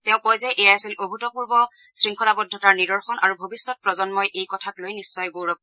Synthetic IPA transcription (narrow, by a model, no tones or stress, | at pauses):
tɛ̃ʊ̃kɔjzɛʔejaasilʔoɦutɔpuɹbɔ | sɹiŋkʰɔlabɔdʱːɔtaɹnidɔɹxɔnaɹubʱobisːɔt̚pɹɔzɔnmɔjʔejkɔtʰaklojnisːɔjɡoɹɔk̚